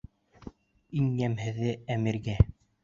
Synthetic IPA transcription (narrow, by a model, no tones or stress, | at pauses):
injæmhɘ̆ðɘæmɘ̆ɾɡæ